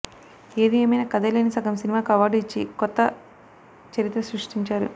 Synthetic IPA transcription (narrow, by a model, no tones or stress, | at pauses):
e̞ːd̪ieːmɐjnɐːkɐd̪ɐleːnisɐɡɐmsinimaːkɐʋaːɖuit͡ʃːḭkɔt̪ːɐ | t͡ʃɐɾit̪ɾɐsɾuʂʈiɲt͡ʃaːɾṵ